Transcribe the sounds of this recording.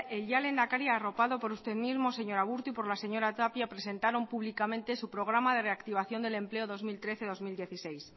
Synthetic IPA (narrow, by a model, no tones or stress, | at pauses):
elʎale̞nd̪akaɾjaːro̞paðo̞po̞ɾust̪e̞ðmizmo̞se̞ɲo̞ɾaβ̞uɾt̪uipo̞ɾlase̞ɲo̞ɾat̪apjapɾe̞se̞nt̪aɾo̞mpuβlikamẽ̞nt̪e̞supɾo̞ɣ̞ɾamað̞e̞re̞akt̪iβ̞aθjo̞nd̪e̞le̞mple̞oðo̞zmilt̪ɾe̞θe̞ð̞o̞zmild̪je̞θise̞js